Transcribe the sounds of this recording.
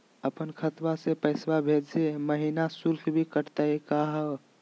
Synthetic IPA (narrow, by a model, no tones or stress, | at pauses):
əpənkʰət̪basepəɪswabʱed͡ʒseməɦinasuɾkʰbʱikəɾt̪aekaɦə